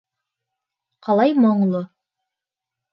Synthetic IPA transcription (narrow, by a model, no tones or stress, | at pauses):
qɑlˠɑjmŏɴlˠo